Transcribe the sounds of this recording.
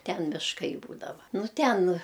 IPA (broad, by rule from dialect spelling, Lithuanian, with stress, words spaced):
ˈtʲɛn mʲɪʃˈkɐɪ ˈbuːdɐʋɐ ˈnʊ ˈtʲɛn